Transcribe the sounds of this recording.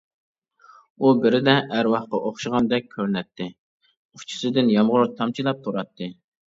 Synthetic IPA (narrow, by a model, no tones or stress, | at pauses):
ubɪɾɪd̪ɛæɾwɑχqɑʔoχʃɨʁɑnd̪ɛk̚ʲʰːøɾnɛt̪ʰːɪ | ut͡ʃʰi̥sɨd̪ɪnjɑmʁʊɾt̪ʰɑmt͡ʃʰilˠɑp̚t̪ʰuɾɑt̪ʰːɨ